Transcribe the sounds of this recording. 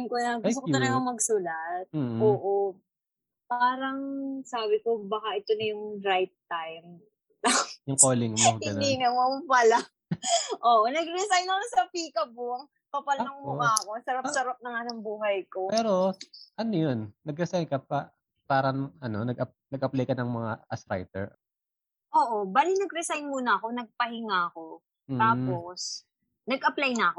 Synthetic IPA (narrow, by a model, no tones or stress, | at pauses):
ŋkonɐŋsokj̪ɐnɐɡɐŋmɐɡsulɐt̪̚m̩ːoːʔo | paːɾɐŋsaːbɪko̞bɐkaʔɛt̪onɐjʊŋɾajt̪̚t̪ajm | t̪ɐjʊŋkoːlɪŋmɡɪɐnd̪iŋɐmopɐla | ʔoːʔonɐɡ̚ɾɛsajnɐkosɐpiːkɐboŋ | pɐpɐlɐŋmʊkaɐko̞sɐɾɐpsɐɾap̚nɐŋɐnoŋbuːɦɐjko̞pɛːɾo̞ʔɐnojonːɐɡɾɛsajnkɐpɐ | paːɾɐɐno̞nɐɡʔɐpnɐɡ̚ʔɐplajkɐnɐŋmɐŋaɐsɾa̰jt̪ɛ̰ɹ | ʔoːʔobaːlɪnɐɡɾɛsajnmuːnɐɐko̞nɐɡ̚pɐhɪŋaɐko̞ | m̩ːt̪aːpo̞s | nɐɡʔɐplajnɐɐko